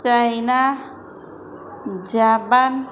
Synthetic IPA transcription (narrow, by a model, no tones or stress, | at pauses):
t͡ʃajna | d͡ʒaban